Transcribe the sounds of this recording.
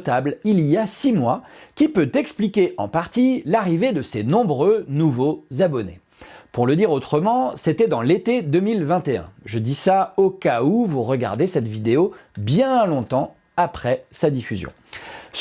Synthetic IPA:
t̪ablilijasimwakʲipøt̪ɛksplikʲeʔɑ̰̃paʁt̪ilaʁived̪əsenɔ̃bʁønuvozabɔnḛ | puʁləd̪iʁot̪χəmɑ̃set̪ɛd̪ɑ̃let̪ed̪ømilvɛ̃t̪eɛ̰̃ʒəd̪isaokauvuʁəɡa̰ʁd̪esɛt̪vid̪eobjɛ̃lɔ̃t̪ɑ̃ | apχɛsad̪ifyzjɔ̰̃s

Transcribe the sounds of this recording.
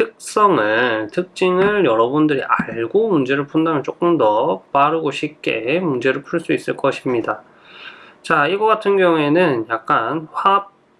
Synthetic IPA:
tʰɯk̚s͈ʌŋɯntʰɯk̚t͡ɕ͈iŋɯɭjʌɾʌbundɯɾḭʔaɭɡomund͡ʑe̞ɾɯɭpʰundamjʌnt͡ɕ͈ok͈ɯmdʌpaɾɯɡoɕʰip̚k͈e̞̰mund͡ʑe̞ɾɯɭpʰuɭs͈uis͈ɯɭk͈ʌɕʰimɲida | t͡ɕaiɡʌɡatʰɯnɡjʌŋue̞nɯnjak̚k͈anɸwap̚

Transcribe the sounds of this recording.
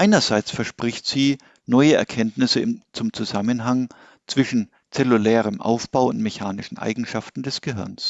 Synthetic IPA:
ʔaɪnɐzaɪt͡sfɛɐʃpʁ̥ɪçtz̥iː | nɔʏəɛ̰ɐkʰɛntnɪsəɪmt͡sʊmt͡suzamənɦaŋ | t͡sv̥ɪʃn̩ | t͡sɛlulɛːʁəmʔa̰ʊfb̥aʊʊntmɛçaːnɪʃn̩ʔa̰ɪɡŋ̩ʃaftn̩dɛsɡ̥əɦɪɐns

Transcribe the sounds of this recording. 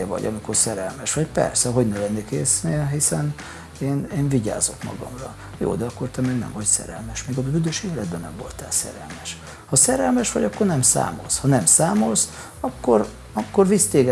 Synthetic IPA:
ɛvɒ̰ɟɒ̰mikorsɛɾɛlmɛʃʋɒcpɛ̰rsɛɦo̞ɟnɛlɛnːekeːsneɦisɛn | eːneːnviɟa̰ːzo̞̰kmɒ̰ɡɒ̰mrɒ | jo̰ːd̪ɛɒkːo̞rt̪ɛmɛɡnɛ̰ɱvɒcsɛ̰ɾɛ̰lmɛʃmeːɡɒyd̪øʃeːlɛd̪bɛnɛmvo̞̰lt̪ɛlsɛ̰ɾɛlmɛʃ | hɒsɛɾɛlmɛʃʋɒ̰ɟɒkːo̞rnɛmsa̰ːmo̰lshɒnɛmsaːmols | ɒkːo̞r | ɒkːorvist̪eːɡɛ

